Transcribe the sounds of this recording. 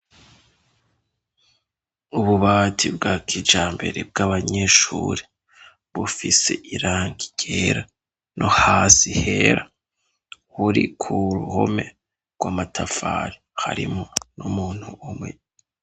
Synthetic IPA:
uβuβatʰibɡaːkʰid͡ʒaːmbe̞ɾeb̚ɡaβaɲe̞ːʃuɾe | βufise̞̰ʔiɾaːŋɡi̥ɟ̥eɾa | nʔohaːsiheɾa | huɾḭkʰuɾuhome̞ | ɾɡwaːmatʰafa̰ɾiha̰ɾḭmonumuːn̥huʔːmŋe

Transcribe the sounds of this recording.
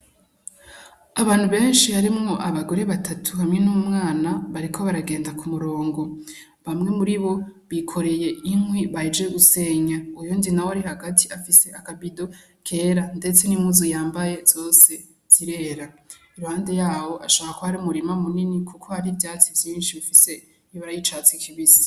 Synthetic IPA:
aβaːn̥huβe̞ːnʃihaɾimŋo̞ʔaβaɡo̞ɾe̞βatʰatʰuhamŋe̞nuumŋaːnaβaɾikʰo̞βaɾaɡe̞ːndakʰumuɾo̞ːŋɡo̞ | βamŋe̞muɾiβo̞βikʰo̞ɾe̞je̞imwiβaid͡ʒe̞ɡuse̞ɲaujuːndinawaɾihaɡatʰiafise̞ʔakabido̞ | kʰe̞ːɾande̞t͡se̞nimuzujaːmbaje̞z̥o̞ːse̞ | z̥iɾe̞ɾa | iɾuhaːnde̞jaːwo̞ʔaʃaːkakohaɾiumuɾimamuninikʰukʰo̞haɾivjaːt͡sivjiːnʃiβifise̞ | βaɾajit͡ʃat͡sikʰiβizi̥

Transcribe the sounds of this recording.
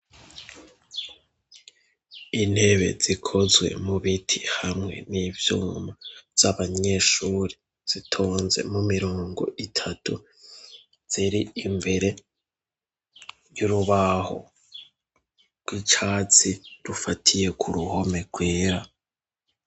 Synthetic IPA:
in̥he̞βe̞̰z̥ikʰo̞zwe̞̰muβitʰihamŋe̞̰nivjṵːmav̥z̥aβaɲe̞ːʃuːɾe | z̥itʰo̞ːnzḛmumiɾoːŋɡo̞̰ʔitʰatu | z̥iɾiːmbe̞ɾe̞ | juɾuβaho̞̰ | ɡɡwit͡ʃaːt͡siɾufatʰije̞kʰuɾuho̞me̞ɡ̥weːɾa

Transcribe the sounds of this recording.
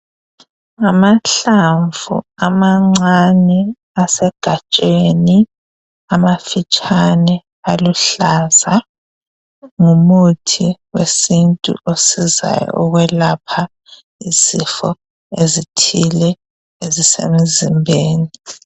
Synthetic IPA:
ŋamaɬaɱvʱṵamaŋ͡ǀanɛ | asɛɡ̥ʱat͡ʃʼeni | amafit͡ʃʼanɛ | aluɬaza | ŋumutʰiwesintʼṵʔosiza̰jɔ̰ɔɣwɛlapʰa | izifɔ | ezitʰilɛ | ezisḛmizimbʱeːni

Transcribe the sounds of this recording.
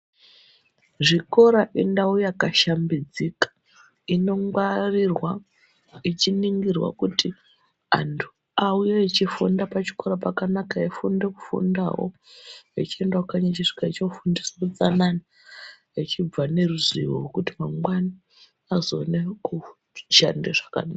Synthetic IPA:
ʐiko̞ɾaʔindaujakaʃambid͡zikḁ | ino̞ŋɡwarirwa | it͡ʃiniŋɡirwa̰kuti | a̰ntʰu̥ | aujeit͡ʃifundapat͡ʃi̥ko̞ɾapakanakaifundeku̥fṵnda̰ɦo̰ḛt͡ʃie̞ndaakaɲat͡ʃiʐi̥kait͡ʃifundisaut͡sanani | et͡ʃib͡vane̞ruzḭwo̰ɦokutimaŋwani | azoːneku | t͡ʃa̰ndeʐḁka̰naka

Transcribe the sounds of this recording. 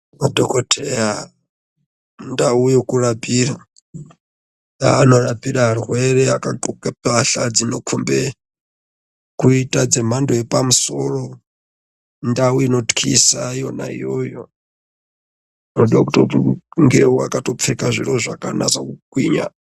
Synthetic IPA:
adokotʰeja | ndaujokuɾabiɾa | aːnoɾabiɾarɦweɾɛakaǃukʼapaɬad͡zinokʰumbɛ | kuitʼad͡zem̤andojepamusoro | ndawuinotkʰḭsajona̰ḭjojo | noɗiwakutouŋɡeua̰kʼatop̪fʰɛkʼaʐiɾoʐakʼanazakukwiːɲa̰

